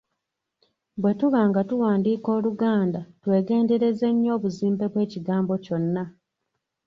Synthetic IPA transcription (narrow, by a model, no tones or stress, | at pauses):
bwe̞tuβaːŋɡatuwaːndiːko̞ːluɡaːndatwe̞ːɡe̞ːnde̞ɾe̞zeɲːo̞ːβuziːmbe̞βwe̞ːciɡaːmbo̞co̞nːa